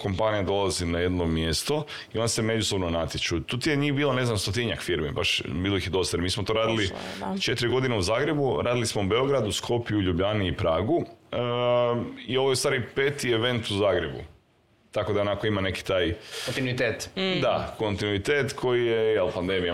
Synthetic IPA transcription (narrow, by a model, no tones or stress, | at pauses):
ko̞mpanijad̪o̞lˠazinaje̞d̪nomje̞st̪o | iond̪ase̞me̞d͡ʒuso̞bnonat̪jet͡ʃut̪ut̪ijeɲiːxbiːlone̞znamst̪o̞t̪iɲakfiɾmibaʃbiːlˠoixçjed̪o̞st̪ajemiːsmot̪o̞ɾaːd̪ilit͡ʃe̞t̪ɾiɡo̞d̪ineuzaːɡɾe̞buɾaːd̪ilismoube̞o̞ɡɾad̪uskʰo̞pijuʎubʎaniːpɾaːɡuə | io̞ʋojest̪ʋaːɾipeːt̪ieʋe̞nt̪uzaːɡɾe̞bṵ | t̪ako̞d̪ao̞nakoimane̞ki̥t̪aːjont̪inuit̪et̪d̪ako̞nt̪inuit̪eːt̪kʰo̞jijejelˠpand̪e̞mija